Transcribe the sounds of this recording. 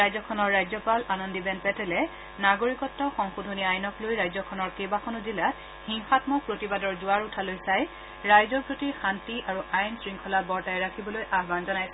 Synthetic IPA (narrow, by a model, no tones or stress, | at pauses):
ajzɔkʰɔnɔɹːajzɔpalanɔndibɛnpɛtɛlɛ | naɡoɹikɔtːɔxɔŋxudʱɔniajnɔklojɹajzɔkʰɔnɔɹkebakʰɔnɔzilat | xiŋxatmɔpɹotibadɔɹzʊaɹutʰalojsaj | ɹajzɔpɹotixantiʔaɹuʔajnsɹiŋkʰɔlabɔɹtajɹakʰibɔlojʔaɦbanzɔnajsɛ